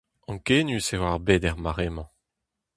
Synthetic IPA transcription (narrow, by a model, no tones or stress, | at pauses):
ɑ̃ŋkeːnysewaʁbed̪ɛʁmaʁemɑ̃